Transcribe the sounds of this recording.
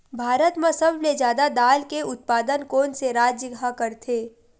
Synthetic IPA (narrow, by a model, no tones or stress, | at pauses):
bʱaːɾət̪mẽsɐbmed͡ʒjaːd̪ad̪aːlkeʊt̪̚paːd̪ənkoːnseɾaːd͡ʒjəɡakəɾt̪ʰeː